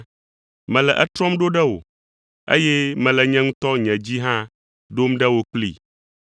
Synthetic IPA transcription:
mɛ̃˨lɛ˨ʔɛ˦t̪ɾɔ̃˦mɖo˦ɖɛ˦wo̰˨ | ḛ˦jɛ˦mɛ̃˨lɛ˨ɲɛ̃˦ŋũ˦t̪ɔ˦ɲɛ̃˨d͡ʑi˦ɦã˦ | ɖo˦mɖɛ˦wo˦k͡plḭ˦˨

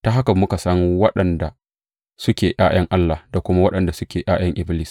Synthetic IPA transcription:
ta˦ɦa˦kɐ˨mmʊ˦ka˨sɐ˦ŋwɐ˦ɗɐ˨nda˨ | sʊ˦kʲeː˨ʔaː˦j̰ɐ˦ŋʔa˦lːa˨hda˨kʷʊ˦ma˦wɐ˦ɗɐ˨nda˨sʊ˦kʲeː˨ʔaː˦j̰ɐ˦ŋʔɪ˦bɪ˦lɪ˨s

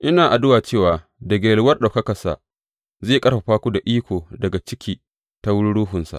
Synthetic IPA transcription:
ʔɪ˦naː˨ʔa˨dʊ˦waː˨t͡ʃeː˦˨waː˨ | dɐ˨ɡʲeː˨lwɐ˦rɗa˨kɐ˦kɐ˨sa̰˨ | zeː˦˨kʼɐ˦rɸa˨ɸaː˦kʷu˦da˨ʔiː˦kʷoː˨dɐ˨ɡa˨t͡ʃɪ˦kʲiː˦ | ta˦wʊ˦ɽu˦ɽuː˦ɦʊ˨nsa̰˨ʔ

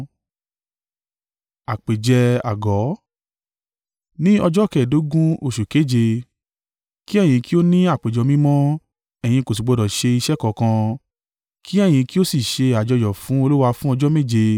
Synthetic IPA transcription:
a˨k͡pe˨d͡ʒɛ˧a̰˨ɡɔ˨˦ | nĩ˦ɔ˧d͡ʒɔ˦˨kɛ˦˨do˨˦ɡũ˦o˦˨ʃu˨ke˨˦˨d͡ʒe˧ | ki˦ɛ˦˨j̃ĩ˧ki˦o˦nĩ˦a˦˨k͡pe˨d͡ʒɔ˨˧mĩ˦mɔ̃˦ | ɛ˨j̃ĩ˧ko˨s̬i˨ɡ͡bɔ˨˧dɔ˨ʃe˧i˧ʃɛ˦kɔ˨kã˧ | kʰi˦ɛ˦˨j̃ĩ˧ki˦o˦si˦˨ʃe˧a˨d͡ʒɔ˧d͡ʒɔ˨fũ˨˦o˧lu˦wa˧fũ˦ɔ˧d͡ʒɔ˦me˦˨d͡ʒe˧

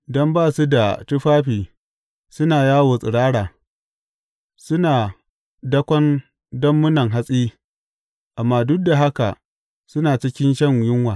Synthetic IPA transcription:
dɔ˦mbaː˦˨su˦da˨tʊ˦ɸaː˦ɸiː˨ | sʊ˦naː˨jaː˦woː˨sʼɪ̰˨ɽaː˦ɽaː˨ | sʊ˦naː˨ | dɐ˦kʷɔ˦n | dɔ˦mːʊ˦nɐ˨ŋɦa˦sʼiː˦ | ʔa˨mːaː˦dʊ˦k̚da˨ɦa˦ka̰˨ | sʊ˦naː˨t͡ʃɪ˦kʲɪ˦nʃɐ˦˨ŋjʊ˦ŋwaː˨

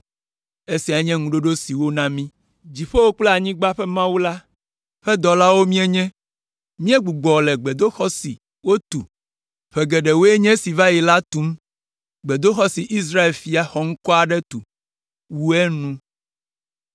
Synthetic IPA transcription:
e˦si˨a˨˦ɲɛ̃˦ŋũ˨ɖo˦ɖo˦si˨wo˦nã˦mĩ˦ | d͡ʑi˨ɸe˦wo˦k͡plɛ˦a˨ɲĩ˦ɡ͡ba˦ɸɛ˦mã˦wu˦la˦ | ɸɛ˦d̪ɔ˨la˦wo˦mĩ˦ɛ̃˦ɲɛ̃˦ | mĩ˦ɛ˦ɡ͡bu˨ɡ͡bɔ˨lɛ˨ɡ͡bɛ˨d̪o˦xɔ˦sḭ˨ | wo˦t̪u˨ | ɸɛ˨ɡɛ˨ɖɛ˨wo˦e˦ɲɛ̃˦si˨va˦ji˨la˦t̪u˦m | ɡ͡bɛ˨d̪o˦xɔ˦si˨ʔi˦s̬ɾa˦e˨lfi˨a˨xɔ˨ŋ̩˦kɔ˦a˨ɖɛ˦t̪ṵ˨ | wu˦ɛ˦nũ˦

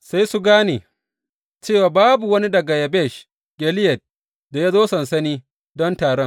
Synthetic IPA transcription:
sa˦jsu˦ɡaː˦neː˨ | t͡ʃeː˦˨waː˨baː˦bu˨wɐ˦ni˦dɐ˨ɡa˨jɐ˨bɛ˦˨ʃ | ɡ̥ʲɛ˨lɪ˦jɐ˨t̚ | da˨ja˦zoː˦sɐ˨nsɐ˦niː˦ | dɔ˦ntaː˨ɽɔ˦ŋ

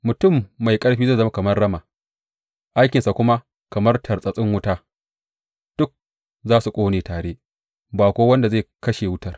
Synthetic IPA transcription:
mʊ˨tʊ˦˨mːa˨jkʼɐ˦ɽɸiː˦za˦˨zɐ˦ma˦kɐ˨mɐ˦rɽɐ˦maː˨ | ʔa˦jkʲɪ˨nsa˨kʷʊ˦ma˦ | kɐ˨mɐ˦rtʰɐ˨rsʼɐ˨sʼɪ˦ŋwʊ˦taː˦ | d̥ʊ˦k̚ | zaː˦su˨kʷʼoː˦neː˨taː˨ɽeː˦ | baː˨kʷoː˦wɐ˦nda˨za˦˨kɐ˦ʃeː˨wʊ˦tɐ˨r

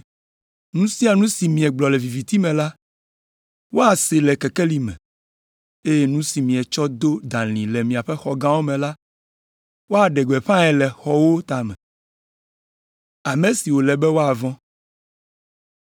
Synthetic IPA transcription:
nũ˦si˦a˨nũ˦si˨mĩ˨ɛ˨ɡ͡blɔ˨lɛ˨vi˨vi˨t̪i˦mɛ̃˨la˦ | wo˦a˨se˨lɛ˨kɛ˨kɛ˦li˦mɛ̰̃˨ | e˦je˦nũ˦si˨mĩ˨ɛ˨t͡ʃɔ˦d̪o˦d̪ã˨lĩ˨lɛ˨mĩ˨a˨ɸɛ˦xɔ˨ɡã˦wo˦mɛ̃˨la˦ | wo˦a˨ɖɛ˨ɡ͡bɛ˨ɸã˦ɛ˨lɛ˨xɔ˨wo˦t̪a˨mɛ̃˨ | a˨me˨si˨wo˨lɛ˨bɛ˦wo˦a˨vɔ̃˦

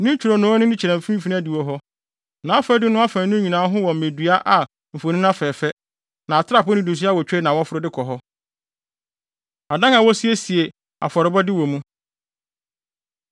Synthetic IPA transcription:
nɪ̃˦ɲ˦t͡ɕᶣʰu˨ɾo˨nʊ̃˨˦ɔ˦nʊ̃˦nɪ̃˦t͡ɕʰɛ˨ɾɛ̃˨m̩˨f̩˦fi˦ñ˦æ˦di˨wɔ˨ɦɔ˦ | nã˨a˦fɛ˦dɪ˦nʊ̃˦a˦fã˨˦nʊ̃˦ɲĩ˨nãː˨˦ɦʊ̃˦wɔ̃˨m̩˨mẽ˨dɥa˦ʔa˨ | m̩˨fo˨nĩ˦nã˦fɛː˨fɛ˦ | nã˨a˨tʰɪ˦ɾa˦˨pʊ˦ɪ̃˦du˨s̬i˦a˦wɔ˨t͡ɕᶣɛ˦nã˨wɔ˦fʊ˦ɾʊ˦dɪ˦kʰɔ˨ɦɔ˦ | a˨dã˦ŋa˨wɔ˦si˦e˦si˨e˨ | a̰˨fɔ˨ɾɪ˨bɔ˦dɪ˦wɔ˨mũ˦

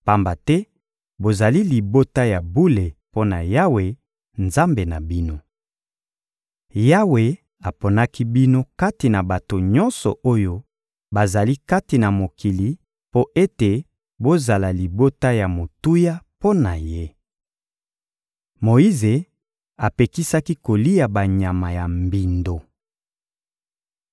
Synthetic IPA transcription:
pa˨mba˨tɛ˦ | bo˨za˨li˦li˨bo˦ta˦ja˨bu˦le˨po˦na˨ja˦we˨ | nza˦mbe˨na˨bi˦no˦ | ja˦we˨ | a˨po˨na˦ki˦bi˦no˦ka˦ti˨na˨ba˨to˨ɲɔ˦nsɔ̰˨ʔo˦jo˦ | ba˨za˨li˦ka˦ti˨na˨mo˨kʰi˨li˨ | po˦ʔe˦te˨ | bo˦za˨la˨li˨bo˦ta˦ja˨mo˨tu˦ja˦po˦na˨je˦ | mo˨i˦ze˨ | a˨pe˨ki˦sa˦ki˦ko˨li˦ja˨ba˨ɲa˨ma˨ja˨mbi˨ndo˨

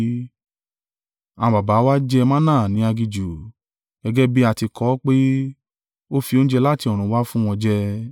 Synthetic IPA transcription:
ã˨˧ba˨ba˨˦wa˦d͡ʒɛ˦˧mã˦nãː˦˨nĩ˨˦a˧ɡi˧d͡ʒu˨ | ɡ̥ɛ˧ɡɛ˦bi˦a˧˨ti˧kʰɔ˨˦k͡pe˦ | o˦fi˧o˦ñ̩˦d͡ʒɛ˧la˦˨ti˧ɔ˨ɾ̃ũ˨˦wa˦fũ˦w̃ɔ̃˧d͡ʒɛ˦

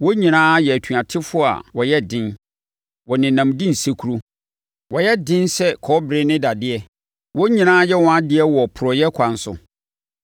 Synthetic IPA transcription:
wɔ˦ɲĩ˨nãː˦jɛ˨æ˨tʰu˨a˨tʰɪ˦fʊ˦a̰˨wɔ˨jɛ˦dɪ̃˦n | wɔ˨nɪ̃˨nã˨mdĩ˦n̩˨se˦kʰu˦ɾo˦ | wɔ˨jɛ˦dɪ̃˦nsɛ˦kʰɔː˨˦bɾɪ˦nɪ̃˦da˨dɪ˦ɛ˨ | wɔ˦ɲĩ˨nãː˦jɛ˦wɔ̃˦a˦dɪ˨˦ɛ˦wɔ˨pʰʊ˨ɾɔ˨jɛ˦kʷʰã˨n˦sʊ̰˨

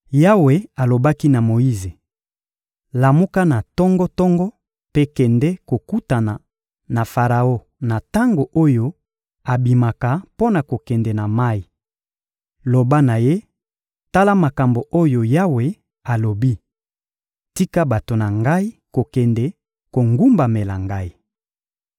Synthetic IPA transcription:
ja˦we˨a˨lo˨ba˦ki˦na˨mo˨i˦ze˨ | la˨mu˦ka˦na˨tɔ˦ŋɡɔ˦tɔ˦ŋɡɔ˦ | pe˦kɛ˨ndɛ˦ko˨ku˦ta˨na˨ | na˨fa˨ʁa˨o˦ | na˨ta˦ŋɡo˨ʔo˦jo˦ | a˨bi˨ma˨ka˨po˦na˨ko˨kɛ˨ndɛ˨na˨ma˦i˨ | lo˨ba˦na˨je˦ | ta˦la˦ma˨ka˨mbo˨ʔo˦jo˨ja˦we˨ | a˨lo˨bi˦ | ti˦ka˦ba˨to˨na˨ŋɡa˦i˦ko˨kɛ˨ndɛ˦ | ko˨ŋɡu˦mba˨me˨la˨ŋɡa˦i˦

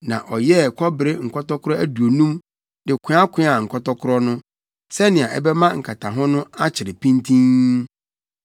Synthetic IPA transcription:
nã̰˨ʔɔ˨jɛ˦˨kʰɔ˦bɪ˨ɾɪ˦ŋ̩˨kʰɔ˦tɔ˦kʰʊ˦ɾɔ˦æ˦du˨o˨nũ˦m | dɪ˨kʰɪ̃˦a˦kʷʰɪ̃˦a˨ŋ̩˨kʰɔ˦tɔ˦kʰʊ˦ɾɔ˦nʊ̃˦ | sɛ˦nɪ̃˨ã˨ʔɛ̰˦bɛ˦mã˦ŋ̩˨kʰa˨tʰa˨ɦɔ̃˦nʊ̃˦a˦t͡ɕʰɪ˨ɾɪ˨pʰĩ˦ntʰĩ˦n

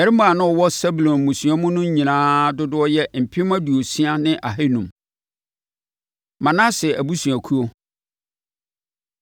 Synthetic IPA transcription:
ɛ˨ɾɪ˦mã˨nʊ̃˦ɔ˨wɔ˦sɛ˦bu˨lɔ̃˨n˨mũ˨sɥa˦mʊ̃˦nʊ̃˦ɲĩ˨nãː˦dʊ˦dʊ˦ɔ˦jɛ˦m̩˨pʰɪ˦mã˦du˨o˨si˦a˦nɪ̃˦ʔa˨ɦe˦nũ˨m | mã˨nã˦sɪ˨ɛ˨æ˨bu˦sũ˨a˨kʰu˦o˦

